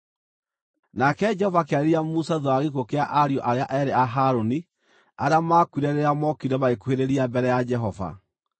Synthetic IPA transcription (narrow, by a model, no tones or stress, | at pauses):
nakɛd͡ʒɛhɔvakeaeɾiamusaðwaɣekokeaʔaɾiɔʔaɾeaʔɛɾeaɦaɾoni | aɾeamakuiɾɛɾeɾamɔkiɾɛβaekueɾeɾiambɛɾɛjad͡ʒɛɦɔva̰